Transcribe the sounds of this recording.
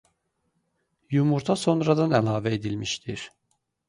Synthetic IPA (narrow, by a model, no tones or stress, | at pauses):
jumuɾt̪ʰaso̞nɾad̪anɛlˠaːvɛed̪ilʲmiʃt̪ʰiɾ̥